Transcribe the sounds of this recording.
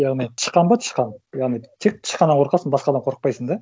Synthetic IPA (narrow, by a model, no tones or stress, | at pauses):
jɑʁnijt̪ʰə̥qːɑnbɑt̪ʰə̥ʃqɑnjɑʁnijt̪ʰek̚t̪ʰə̥ʃqɑnɑɴqʰoɾqɑsənbɑsqɑd̪ɑmqʰoɾəq̚pɑjsənd̪ɑ